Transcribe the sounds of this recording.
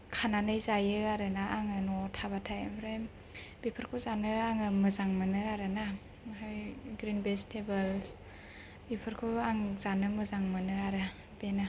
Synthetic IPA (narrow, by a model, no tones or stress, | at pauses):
kʰananɯjzajɯaɾɯnaʔaŋɯnɔtʰabatʰajmɾajm | b̥ipʰɯɾkʰozanɯaŋɯmɯzaŋmɯnɯaɾɯna | ɦajɡɾinbestʰebɯls | bipʰɯɾkʰɯaŋzanɯmɯzaŋmɯnɯaɾɯ | b̥ena